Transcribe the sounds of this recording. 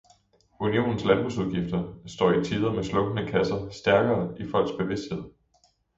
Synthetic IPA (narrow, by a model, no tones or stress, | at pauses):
unio̝̰ːnn̩slænb̥ʁusuð̞ˠɡ̥ifd̥ɐsd̥ɒ̰ːit͡sʰiːðˠɐmeslɔ̽ɡ̥ənəkʰæsɐsd̥æɐɡ̥ɐːifɒ̽l̰ɡ̥sb̥e̝ʋe̝sd̥he̝ð̰ˠ